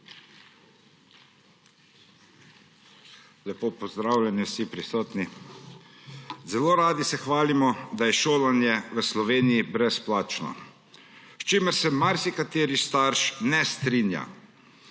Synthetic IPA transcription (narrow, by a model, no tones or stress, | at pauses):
lɛpoːpɔzd̪ɾaːwljɛniwsipɾisɔːt̪ni | zɛloːɾaːd̪isɛxʋaːlimɔd̪ajɛʃoːlanjɛʋəslɔʋeːnijibɾɛsplaːt͡ʃnɔ̰ | st͡ʃeːməɾsɛmaɾsikat̪eːɾist̪aɾʃnɛst̪ɾinja̰